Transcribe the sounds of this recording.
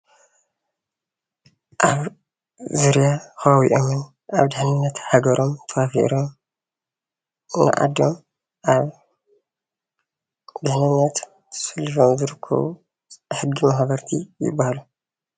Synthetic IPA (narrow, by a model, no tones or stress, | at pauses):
ʔaβ | zuɾjaxɐβawḭʔomɨn | ʔaβd̪ɨħnɨnːɐt̪ħaɡɐɾo̞mt̪ʰɐfafḭɾo̞m | na̰ʔa̰d̪om | ʔaβ | d̪ɨħnɨnːɐt̪ | fɐlːifomzɨɾɨkʰːɐ̰βu | ħɨɡːimaxβɐɾt̪ʰijɪ̰bːahalu